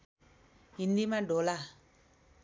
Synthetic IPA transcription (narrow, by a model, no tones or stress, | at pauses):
indimaɖola